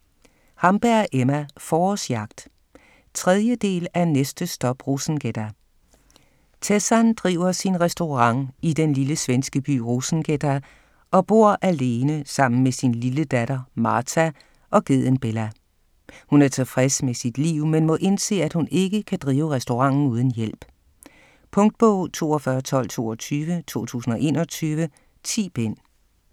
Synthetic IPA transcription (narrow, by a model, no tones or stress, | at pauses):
hɑ̈mb̥æɐ̰ʔemæfɒːsjɑ̈ɡ̥̚d̥ | t͡sʰʁɛð̞ˠjəd̥e̝̰ːlænesd̥əsd̥ɒ̽b̥ʁosn̩ɡ̥ed̥æ | t͡sʰesænd̥ʁḭʊɐsinʁɛsd̥oʁɑ̈ŋ̰id̥enliləsʋensɡ̥əb̥y̰ːʁosn̩ɡ̥edæ | ʔɒ̽b̥o̝ɐ̰ʔæle̝ːnəsɑ̈m̰n̩mesinliləd̥æɾ̥ɐmɑ̈ːt͡sʰæ | ʔɒ̽ɡ̥eð̰ˠənb̥elæ | hunæɐt͡sʰe̝fʁɛsmesid̥liʊ̰menmɔ̽ʔe̝nse̝̰ːæd̥hune̝ɡ̥əkʰæd̥ʁiːʊʁɛsd̥o̝ʁɑ̈ŋ̰n̩uːð̞ˠn̩jel̰b̥ | pʰɔ̽ŋd̥̚b̥ɔʊ̰t͡sʰo̝̰ːɒ̽fɶɐt͡sʰɒ̽l̰t͡sʰo̝̰ːɒt͡sʰyːʋət͡sʰo̝̰ːt͡sʰṵːsn̩ɒ̽ʔe̝̰ːnɒt͡sʰyːʋə | t͡sʰḭːb̥en̰